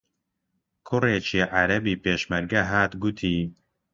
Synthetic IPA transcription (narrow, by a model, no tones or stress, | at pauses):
kʰʊreːt͡ʃʰiʕaɾɐbiːpeːʃmɐɾɡɐɦaːt̪ɡut̪ʰiː